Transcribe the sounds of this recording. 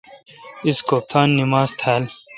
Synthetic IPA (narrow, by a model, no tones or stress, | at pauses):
iskoːp̚t̪ʰaːnːimaːzt̪ʰaːl